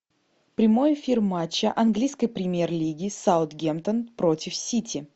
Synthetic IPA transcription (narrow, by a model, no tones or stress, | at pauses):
pɾʲɪmo̞jfʲirmat͡ɕːəʔɐnɡlʲijskəjpɾʲɪmʲje̞rlʲiɡʲɪsaʊt̪ɡʲemt̪ənpɾotʲɪfsʲitʲʰɪ